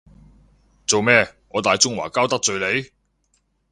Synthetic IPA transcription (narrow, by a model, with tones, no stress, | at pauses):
t͡so˨wmɛː˥ŋɔː˨˧t̪aː˨˧jt͡sʊ˥ŋwa̰ː˨˩kaː˥wt̪ɐ˥k̚t͡sɵ˨˧ɥle˨˧j